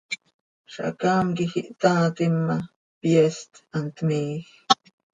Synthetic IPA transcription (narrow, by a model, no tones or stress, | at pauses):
ʃa̰kaːmkixiʔt̪aːt̪imːa | pjest̪ant̪miːx